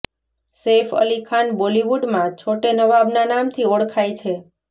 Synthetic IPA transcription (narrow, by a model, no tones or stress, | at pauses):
sefə̰likʰanboliʋuɖmãt͡ʃʰoʈenəʋabnanamt̪ʰioɽkʰajt͡ʃʰe